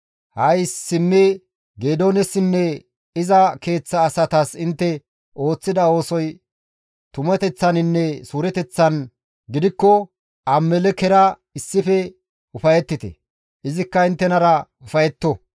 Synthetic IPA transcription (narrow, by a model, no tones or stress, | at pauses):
hɐjsːɪmːɛ | ɡeːd̪o̞ːnɛsɪnːɛ | ɪzɐke̞ːt͡sːɐːsɐt̪ɐsɪnt̪ːɛ | ʔo̞ːt͡sːɪd̪ɐo̞ːsɔj | t̪ʊmɛt̪ɛt͡sːɐnɪnːɛsuːɾɛt̪ɛt͡sːɐn | ɡɪd̪ɪkːɔ | ʔɐmːɛlɛkɛɾɐ | ɪsːɪfɛ | ʊfɐjɛt̪ːɪt̪ɛ̰ | ɪzɪkːɐɪnt̪ːɛnɐɾɐ | ʊfɐjɛt̪ːɔ